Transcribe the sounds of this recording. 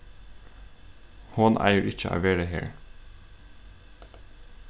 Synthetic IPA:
hʊnʔæ̰ɪəɾʔɪc͡çəʔɑ̰ːʋeːɾəhḛːɹ

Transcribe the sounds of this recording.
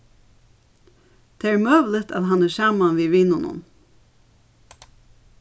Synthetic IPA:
t̪ʰeːæːɾmœːʋlɪt̪a̰ːðɦanæːsɑːmanʋiːʋiːnʊnʊ̰n

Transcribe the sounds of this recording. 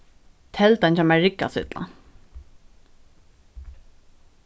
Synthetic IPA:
t̪ʰɛlt̪ant͡ɕɛmæɹɪkːa̰sɪ̰t̪la̰

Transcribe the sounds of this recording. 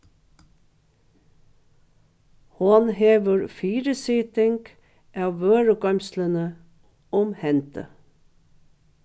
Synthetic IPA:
hɑnheːʋəɾfiːɾəsɪt̪ɪŋɡ̥ | ʔɑːʋʋøːɹəɡɑmslənə | ɔmhɛnt̪ə̰

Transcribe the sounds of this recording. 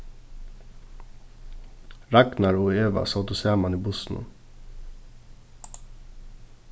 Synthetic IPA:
ɾæknɑɹoːeːʋɑ̰sɑt̪ʊsæːmɑniːbʊsnə̰

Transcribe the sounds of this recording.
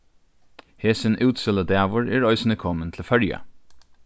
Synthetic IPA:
heːsənʔʉːt̪sɪləd̪æːʋʊɹæːɹœʏsnəkʰɔmənt̪ʰl̩oːfœljə̰

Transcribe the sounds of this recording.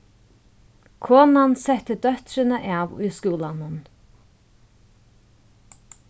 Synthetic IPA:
kʰɔːnansɛht̪əd̪œht̪ɾɪnəʔavʊ̰jskuːlanʊn

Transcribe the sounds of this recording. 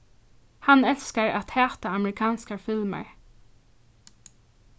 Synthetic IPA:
hɑnɛlskəɹɑ̰t̪heːt̪əɑməɹɪkʰɑːnskəfɪlmə̰ɹ

